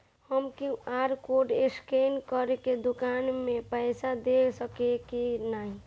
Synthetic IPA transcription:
həmkiaɾkoɖeskenkəɾeked̪ukanmẽpəɪsad̪esəkekinaɦi

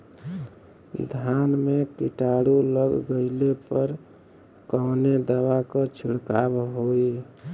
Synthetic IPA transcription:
d̪ʱanmekiʈaɽuləɡɡəɪlepəɾ | kɔːned̪əwakɔt͡ʃʰuɽkabɦoi

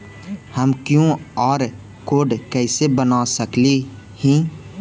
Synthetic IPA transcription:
həmkjõɔːɾ | koːɖkɛːsebənasəkli | hĩː

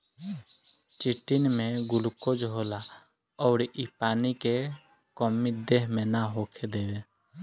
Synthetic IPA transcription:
t͡ʃiʈinmẽɡʊlkod͡ʒɦoːla | ɔːɾipaːnike | kɔmid̪eɦmẽnaɦokʰed̪eːwe

